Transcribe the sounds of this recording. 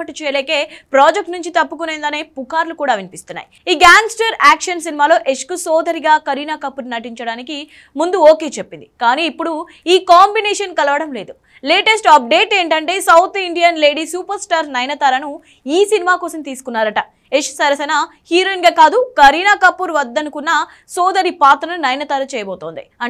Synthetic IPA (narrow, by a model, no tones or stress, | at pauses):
ɐʈːit͡ʃɛːjɐleːke̞ːpɾaːd͡ʒek̚ʈnuɲt͡ʃit̪ɐpːukuneːnd̪ɐne̞ːpukaːɾlukuːɽaːʋinipist̪unːa̰ːjiiːɡaːŋɡsʈɐɾaːkʂɐnsinimaːlo̞ːʔeʂkusoːd̪ʱɐɾiɡaːkɐɾiːnaːkɐpːuɾnɐʈ̬iɲt͡ʃɐɽaːniki | mund̪uoːke̞ːt͡ʃepːind̪ikaːniːpːuɽu | iːkaːmbineːʂɐnkɐlɐʋɐɽɐmle̞ːd̪u | leːʈesʈɐp̚ɖe̞ːʈe̞ːɳʈɐɳʈe̞ːsɐwt̪ʰiɳɖijɐnle̞ːɖisuːpɐɾsʈaːɾnɐjnɐt̪aːɾɐnu | iːsinimaːkɔːsɐmt̪iːsu̥kunːaːɾɐʈɐ | eʂsɐɾɐsɐna | hiːɾɐnɡaːkaːd̪ukɐɾiːnaːkɐpːuɾʋɐd̪ːɐnukunːɐ | sɔːd̪ɐɾipaːt̪ɾɐnunɐjnɐt̪aːɾɐt͡ʃɛːjɐbɔːt̪oːnd̪iɐ